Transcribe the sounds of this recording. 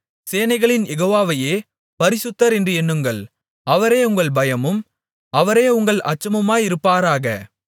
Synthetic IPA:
seːnɐɪɣɐɭɪnjɛɣoːʋaːʋɐjeː | pɐɾɪsɯt̪ːɐɾɛndrɯɛnːɯŋɡɐɭ | ɐʋɐɾeːʊŋɡɐɭbɐjɐmɯm | ɐʋɐɾeːʊŋɡɐɭɐt͡ʃːɐmɯmaːjɪɾɯpːaːɾaːɣɐ̰

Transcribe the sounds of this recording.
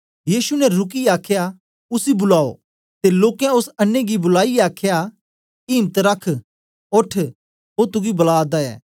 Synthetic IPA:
jiːsunɛɾʊk̬iaːkʰja | ʊsibʊlaːo̰ | t̪eloːkɛ̃ʊsɐnːẽɡibʊlaːiaːkʰja | iːmət̪ɾɐkʰ | oʈʰ | oːt̪ʊɡibɐlaːd̪aɛ̰ː

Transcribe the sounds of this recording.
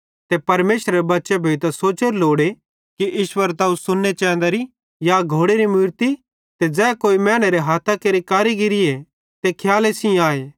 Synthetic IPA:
t̪epɐɾmeːsɾebɐtːʃebʱoːit̪ɐsoːt͡ʃeɾloːɽe | kiʔiːʃwəɾt̪ɐũsʊnːet͡ʃɛ̃ːnd̪aɾi | jaɡʱoːɽeɾimuːɾt̪i | t̪ed͡zɛːkoːimɛːɽ̃eɾeɦaːt̪ʰakeːɾikaːɾiɡɪɾɪe | t̪ekʰjaːlesĩaːeː

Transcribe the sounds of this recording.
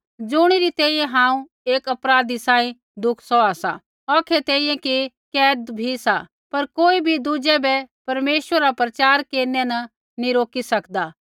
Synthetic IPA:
d͡ʒʊɽ̃iɾit̪ɛːijɛ̃ɦãːũ | eːkɐpɾaːd̪isãːĩ | d̪ʊkʰsɔaːsa̰ | ɔːkʰet̪ɛːĩjɛ̃ke | kɛːd̪bʱisa | pɐɾkoːibʱid̪ud͡ʒɛbɛpɐɾmeːswəɾapɾɐt͡ʃaːɾkeːɾnɛ̃nɐ | niɾoːkisɐkd̪aː

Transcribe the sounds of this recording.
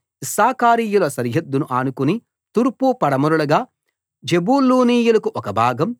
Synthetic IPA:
isaːkaːɾiːjulɐsɐɾjɐd̪ːunuʔaːnukuni | t̪uɾpupɐɽɐmuɾulɐɡaː | d͡ʒebuːluːniːjulɐkuʔɔkɐbʱaːɡɐm

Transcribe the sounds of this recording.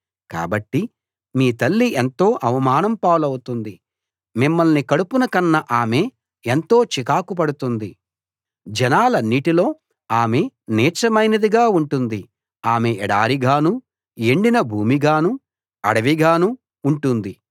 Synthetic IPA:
ka̰ːbɐʈːi | miːt̪ɐlːiʔent̪o̞ːʔɐʋɐmaːnɐmpaːlɐwut̪und̪i | mimːɐlnikɐɽupunɐkɐnːɐʔaːme̞ː | ent̪o̞ːt͡ʃikaːkup̬ɐɽut̪und̪i | d͡ʒɛnaːlɐniːʈilo̞ː | aːme̞nɛːt͡ʃɐmɐjnɐd̪iɡaːuɳʈund̪i | aːmeʔɛɽaːɾiɡaːnu | eɳɖinɐbʱuːmiɡaːnu | ɐɽɐʋiɡaːnuː | ɳʈund̪i

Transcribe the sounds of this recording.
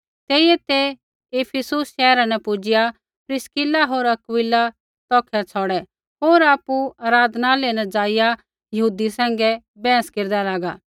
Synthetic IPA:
t̪eːɪjɛt̪e | eːpʰɪsʊsʃɛːɾãnɛpʊd͡ʒɪja | pɾɪskɪlaɦoːɾɐkwɪlːa | t̪ɔːkʰɛt͡sʰɔːɽɛ | ɦoːɾaːpuaːɾaːd̪ʱnalenɛ̃d͡ʒaːɪja | jɐɦuːd̪isɛ̃ːŋ̆ɡɛ | bɛ̃ːə̃skeɾd̪alaːɡaː

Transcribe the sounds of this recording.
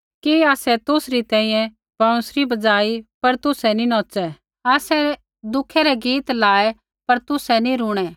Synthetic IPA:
kiaːsɛt̪ʊsɾit̪ɛ̃ːĩːjɛ̃ | bɐ̃ʊ̃sɾibɐd͡zaːipɐɾt̪ʊsɛninɔːt͡sɛ | aːsɛ | d̪ʊkʰɛɾɛɡiːt̪laːɛ | pɐɾt̪ʊsɛnĩɾʊːɽ̃ɛ

